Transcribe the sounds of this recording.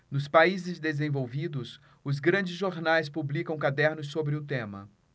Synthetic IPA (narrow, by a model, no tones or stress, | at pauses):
nʊspaizɪzd̪ezẽvowvid̪ʊs | ʊzɡɾɐ̃d͡ʒɪzʒoɾnajs̬publikɐ̃w̃kad̪ɛɾnʊsːobɾɪʊt̪ẽmɐ̰